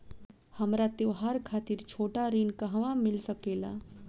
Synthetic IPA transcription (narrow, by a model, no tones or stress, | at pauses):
həmɾat̪eʋɦaɾkʰaːt̪iɾt͡ʃʰoːʈaɾinkəɦʋãmɪlsəkeːla̰